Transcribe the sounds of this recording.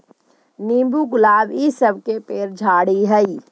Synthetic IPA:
niːmbuɡʊlaːbisəb̚ʱkepeːɾd͡ʒʱaːɽiɦɛi

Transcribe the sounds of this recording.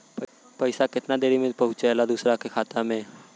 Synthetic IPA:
pɐɪsakɪt̪nad̪eːɾimẽpɐɦʊ̃t͡ʃɛlad̪uːsɾakekʰaːt̪amẽ

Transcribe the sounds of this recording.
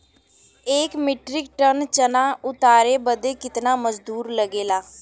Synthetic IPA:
eːkmɪʈɾɪk̚ʈənt͡ʃənaːʊt̪aːɾeːbəd̪eːkɪt̪naːməd͡ʒd̪uːɾləɡeːlaː

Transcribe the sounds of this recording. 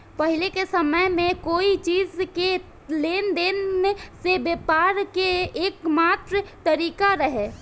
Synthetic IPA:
pəɦɪlekesəməjmẽkoːit͡ʃiːzke | leːnd̪eːnesebeːpaːɾkeeːkmaːt̪ɾət̪əɾiːkaɾəɦeː

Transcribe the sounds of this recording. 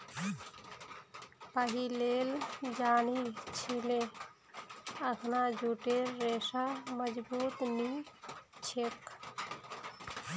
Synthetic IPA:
pəɦileːld͡ʒaːnit͡ʃʰilẽ | əkʰnad͡ʒuːʈeɾːeːsaməd͡ʒbuːt̪ni | t͡ʃʰek

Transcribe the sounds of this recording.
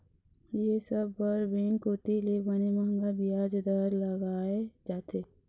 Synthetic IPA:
jesəbbəɾbeːnkoːt̪ilebənemaŋɡabijaːd͡ʒd̪aːɾləɡaːed͡ʒaːt̪eː

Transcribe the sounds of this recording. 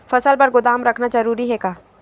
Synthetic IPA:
fɐsəlpɐɾɡʊd̪aːmɾɐkʰnad͡ʒɐɾuːɾiɦɛkaː

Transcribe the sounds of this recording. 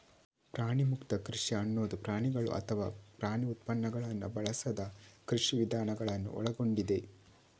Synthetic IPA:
pɾaːɳimukt̪ɐkɾiʂiɐnːoːd̪upɾaːɳiɡɐɭṵʔɐ̰t̪ʰɐʋa̰ːpɾaːɳiut̪̚pɐnːɐɡɐɭɐnːubɐɭɐsɐd̪ɐkɾiʂiʋid̪ʱaːnɐɡɐɭɐnːṵʔɔ̰ɭɐɡo̞ɳɖid̪e̞

